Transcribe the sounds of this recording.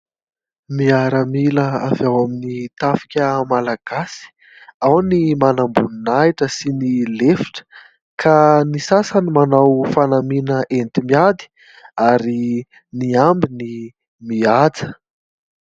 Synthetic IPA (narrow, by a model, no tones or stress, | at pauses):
miaɾəmiləa̰vawaminit̪afi̥kʲəmalaɡ̥asi̥ | awnimanambuninajʈ͡ʂəsinilefi̥ʈ͡ʂə̥ | kʰanisasanimanawfanaminəʔent̪imiad̪i̥ | aɾi | niambini | miad͡zə̥